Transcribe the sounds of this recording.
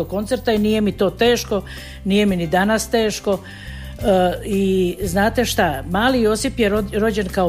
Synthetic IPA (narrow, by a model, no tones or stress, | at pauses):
okːo̞nt̪se̞ɾt̪ainiːje̞mit̪o̞ːt̪e̞ːʃko̞ | niːje̞minid̪anast̪e̞ːʃko̞ | iznaːt̪e̞ʃt̪amaːlijo̞sipjeɾoɾo̞d͡ʑenkao